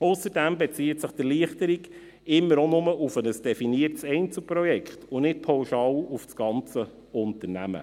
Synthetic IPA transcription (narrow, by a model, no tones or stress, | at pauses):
ʊsəɾdæmbet͡siːtsɪχd̥ɪliəχtəɾiɡ | ɪmːəɾonʊməʊfənəsd̥ɛfiniərtsɛɪnt͡sl̩pɾɔjɛkχtʊnɪt̚pʰɑʊʃɑːlʊfsɡ̥ɑnt͡sə | ʊnt̪ənæmə̰